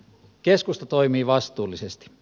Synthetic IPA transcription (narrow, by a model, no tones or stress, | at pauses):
keskust̪ɑt̪oimiːʋɑst̪uːlːˑisest̪i̥